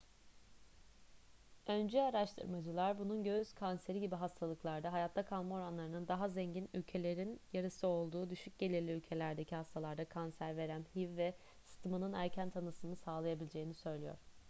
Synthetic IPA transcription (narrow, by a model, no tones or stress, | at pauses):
ø̞nd͡ʒɛaɾaʃt̪ʰɯ̰ɾmad͡ʒɯlˠaɾbununɟø̞yz̥kʰanse̞ɾiɟibiɦast̪ʰalˠɯklˠaɾd̪aɦajat̪ʰlakʰalˠmao̞ɾanlˠaɾɯnɯnd̪aɦazeɲɟinylʲcʰe̞lʲe̞ɾinjaɾɯsɯo̞lˠd̪uːd̪yʃyc̚ɟe̞lʲiɾlʲiylʲcʰe̞lʲæɾd̪e̞cʰihast̪ʰalˠaɾd̪akʰansæɾve̞ɾæmhivvɛ | st̪ʰmanɯnæɾcʰænt̪ʰanɯsɯnɯsaːlˠajabilʲd͡ʒe̞jinisø̞jlʲijo̰ɾ̥